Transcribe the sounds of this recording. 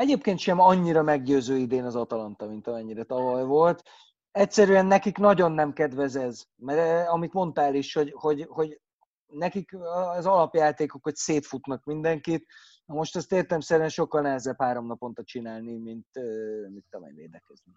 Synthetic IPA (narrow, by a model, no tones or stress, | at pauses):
ɛɟeːp̚keːnt̪ʃɛmɒɲːiɾɒmɛɡɟøːzøːid̪eːnɒzɒt̪ɒlɒnt̪ɒmint̪ɒmɛɲːiɾɛt̪ɒvɒjvo̞lt̪ | ɛcsɛɾyɛnːɛkiknɒɟo̞nːɛmkɛd̪vɛzɛz | mɛɾɒmit̪mo̞nt̪aːliʃho̞ɟho̞ɟho̞ɟ | nɛkikɒzɒlɒpjaːt̪eːkokho̞cseːt̪fut̪nɒkmind̪ɛŋkit̪ | ɒmo̞ʃt̪ɛst̪eːrt̪ɛmsɛɾyɛnʃo̞kːɒlnɛɦɛzɛbhaːɾo̞mnɒpo̞nt̪ɒt͡ʃinaːlnimint̪ømint̪ːɒvɛ̰jvḛːd̪ɛkɛzni